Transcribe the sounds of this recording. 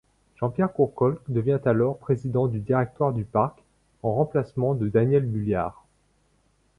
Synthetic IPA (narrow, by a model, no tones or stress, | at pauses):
ʒ̥ɑ̃pjɛʁkuʁkɔlkd̪əvjɛ̃t̪alɔʁpχezid̪ɑ̃d̪yd̪iʁɛk̚t̪waʁd̪ypaʁk | ɑ̃ʁɑ̃plasmɑ̃d̪əd̪anjɛlbylja̰ːʁ